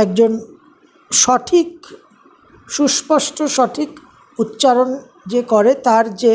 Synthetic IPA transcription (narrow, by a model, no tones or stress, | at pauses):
ɛk̚d͡ʑon | ʃɔʈʰik | ʃuʃpɔʃʈʰoʃɔʈʰik | ut̪ːt͡ɕaɾon | d͡ʑekoɾet̪aɾd͡ʑe